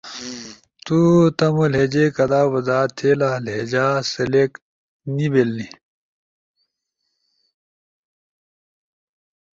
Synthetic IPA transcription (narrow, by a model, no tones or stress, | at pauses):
t̪ut̪ɐmoled͡ʑekɐd̪aːwɐzaːt̪ʰːelaled͡ʑaːsɐlek | nibelni